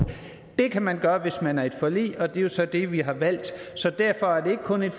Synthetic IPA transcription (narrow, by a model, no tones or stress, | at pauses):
d̥e̝kʰæmænɡ̥ɶːɐʋe̝smænæɐe̝d̥fɒ̽lḭːɒ̽d̥e̝jo̝sɒ̽d̥e̝ʋiɦɑ̈ʋæl̰d̥sɒ̽d̥æɐ̰fɒ̽æɐd̥e̝e̝ɡ̥əkʰɔ̽ne̝d̥